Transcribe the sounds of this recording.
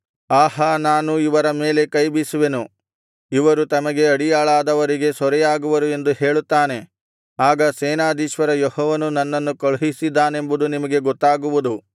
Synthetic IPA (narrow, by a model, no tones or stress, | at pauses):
aːɦɐnaːnuiʋɐɾɐme̞ːle̞kɐjbisuʋe̞nu | iʋɐɾut̪ɐmɐɡe̞ɐɽijaːɭaːd̪ɐʋɐɾiɡe̞sɔɾɛjaːɡuʋɐɾue̞nd̪uhe̞ːɭut̪ːaːne̞ | aːɡɐsɛːnaːd̪iːʃʋɐɾɐjɔɦɔːʋɐnunɐnːɐnːukɐɭuɦisid̪ːaːne̞mbud̪unimɐɡe̞ɡɔt̪ːaːɡuʋud̪u